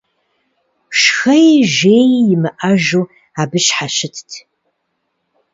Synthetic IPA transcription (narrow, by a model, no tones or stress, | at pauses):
ʃxɐjʒeːjjɪmɨʔɐʒuː | aːbɨʃħaɕɪtʰtʰ